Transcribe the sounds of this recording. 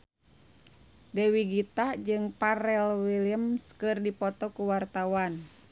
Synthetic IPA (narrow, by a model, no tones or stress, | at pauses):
dɛwiɡit̪ad͡ʒɨŋpaɾɛlwiliəmskɨrdipɔt̪ɔkuwart̪awan